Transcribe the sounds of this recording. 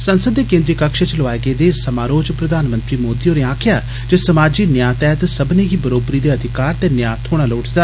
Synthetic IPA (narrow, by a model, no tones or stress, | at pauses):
sənsəd̪ːeːkẽːnd̪ɾiːkəkʃət͡ʃlʋaːeɡeːd̪eːsəmaːɾoːd͡ʒpɾəd̪aːnmə̃nt̪ɾiːmoːd̪ioːɾeãːkʰjaː | d͡ʒesəmaːd͡ʒiːnjaːt̪ɛːt̪səbneːɡiːbəɾoːbɾiːd̪eːəd̪ʱɪkaːɾt̪eːnjaːt̪ʰoːɽ̃aːloːʈʰd̪aː